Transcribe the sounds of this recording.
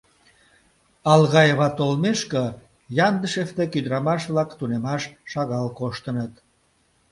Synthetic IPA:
ɑlɣɑjeβɑt̪olmeʃkə | jɑnd̪əʃeft̪ekyd̪ɾɑmɑʃβlɑkt̪unemɑʃːɑɣɑlkoʃt̪ənət̪

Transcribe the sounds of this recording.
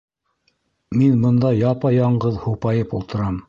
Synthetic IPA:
minbɤ̆nd̪ɑjɑpɑjɑɴɢɤðhupɑjɤpulˠt̪ɤ̆ɾɑm

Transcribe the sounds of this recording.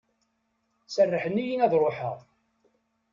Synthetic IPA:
sərːəħənːijinæðɾˤoħəʁ

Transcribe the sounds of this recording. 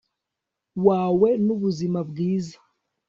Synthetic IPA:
waːwe̞nuβuzimabɡiːzḁ

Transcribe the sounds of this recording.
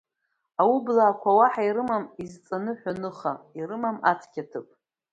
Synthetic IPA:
awublaːkʷʰawaħaiɾɨmamizt͡sʼanɨħʷᶣanɨχaiɾɨmama̰t͡sʰkʲatʰɨpʼ

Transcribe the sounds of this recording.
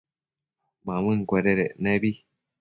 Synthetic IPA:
mãmɨ̃ŋ̩kʷeɾeɾenẽβi

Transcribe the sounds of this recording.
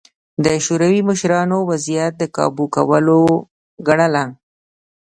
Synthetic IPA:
d̪əʃoɾawiməʃɾɑnowazijat̪̚d̪əkɑ̰bukawəlo | ɡaɳala

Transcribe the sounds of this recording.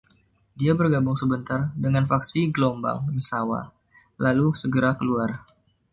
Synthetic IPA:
diabərɡabʊŋsəbənt̪ardəŋanfaksiɡəlomba̰ŋmisawa̰ | lalusəɡəɾakəluar

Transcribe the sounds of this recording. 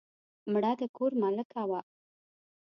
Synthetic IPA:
məɽat̪ekuɾmaləkawa

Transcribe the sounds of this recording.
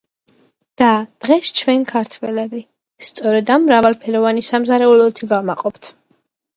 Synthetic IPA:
d̪̥ad̪̥ʁɛst͡ʃʰvɛnikʰaɾt̪ʰwɛlɛbi | st̪sʼɔɾɛd̪amːɾavalˠpʰɛɾɔvanisamzaɾɛulɔt̪ʰivamaqʼɔpt̪ʰ

